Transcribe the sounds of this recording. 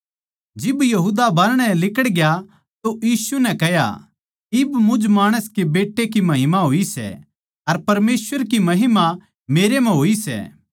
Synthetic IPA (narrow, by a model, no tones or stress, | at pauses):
d͡ʒɪbjɐɦud̪abɐɾɽ̃ɛlɪkəɽɡja | t̪oʔjiːsunɛkɛɦja̰ | ɪbmʊd͡ʒmaːɽ̃əskebeːʈːek̬imɐɦɪmaɦoːisɛ̰ | ɐɾpɐɾmeːsʋəɾkimɐɦɪma | meːɾem̤ɛ̃ɦoːisɛ̰ː